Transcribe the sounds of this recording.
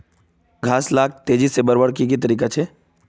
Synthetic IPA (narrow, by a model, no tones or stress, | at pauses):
ɡʱaːslaːk̚t̪eːd͡ʒisebəɾbəɽkik̬it̪̬ɐɾiːkat͡ʃʰeː